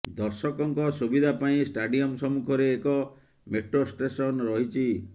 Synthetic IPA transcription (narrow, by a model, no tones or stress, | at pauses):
d̪ɔɾsɔkɔŋkɔsubid̪ʱapaĩsʈaɖiɔmsɔmukʰɔɾeːkɔ | meʈɾosʈesɔnɾɔɦit͡ʃʰi